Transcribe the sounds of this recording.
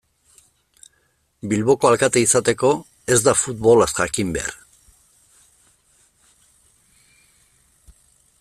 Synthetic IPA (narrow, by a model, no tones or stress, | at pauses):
bilβo̞ko̞alkat̪eisat̪e̞ko̞ | e̞zd̪afut̪βo̞lasxakimbe̞̰a̰ɾ